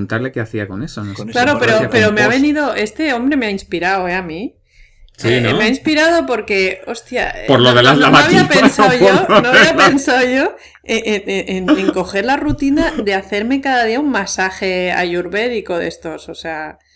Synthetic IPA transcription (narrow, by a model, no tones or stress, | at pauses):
unt̪aɾle̞keaθiako̞nesonoklaɾo̞peɾopeɾo̞meaβe̞niðo̞ʔe̞st̪e̞o̞mbɾe̞meainspiɾaweami | sinmeaĩnspiɾað̞o̞po̞ɾke̞o̞st̪ja̰poɾloðelazʎanaaβiapensawʝonoaββiape̞nsawʝo̞ | eʔeneʔeneŋko̞xe̞ɾlarut̪inaðe̞aθe̞ɾme̞kaðaðiauŋmasaxe̞a̰ʝuɾβe̞ðiko̞ðe̞̰st̪o̞sosea